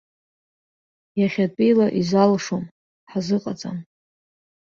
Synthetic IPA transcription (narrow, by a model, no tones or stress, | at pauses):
jaχʲatʼijlaʔizalʂom | ħazɨqʼat͡sʼa̰m